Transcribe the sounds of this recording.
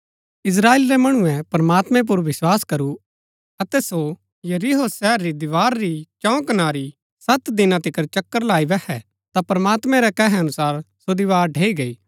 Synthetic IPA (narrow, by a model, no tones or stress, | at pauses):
ɪs̬ɾaːeːlɾɛmɐɽ̃ʊɛ̃pɾɐmaːt̪mɛ̃p̬ʊɾʋɪswaːskɐɾu | ɐt̪ɛso | jɐɾiɦoːsɛːɾːid̪ɪʋaːɾɾit͡ʃɔ̃kɐnaːɾi | sɐt̪d̪ɪnãt̪ɪkəɾt͡ʃɐkːəɾlaːiʋɛhɛ̰ | t̪apɾɐmaːt̪mɛ̃ɾɛkɐɦɛɐnʊsaːɾsod̪ɪʋaːɾɖʱeːiɡɐiː